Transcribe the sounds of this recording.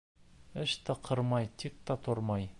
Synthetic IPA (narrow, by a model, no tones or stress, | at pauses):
ɪʃt̪ɑqʰəɾmɑjt̪ʰik̚t̪ɑt̪ʰoɾmɑj